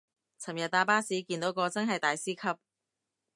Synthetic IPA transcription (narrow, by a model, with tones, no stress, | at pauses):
t͡sʰɐ˨˩mjɐ˨t̪̚ːaː˧paː˥siː˨˥kiː˧nt̪o˨˥wkɔː˧t͡sɐ˥nɦɐ˨jt̪aː˨jsiː˥kʰɐ˥p̚